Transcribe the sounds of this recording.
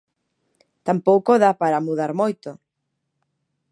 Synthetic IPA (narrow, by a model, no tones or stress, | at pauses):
t̪ampowkoðapaɾamuðaɾmojt̪o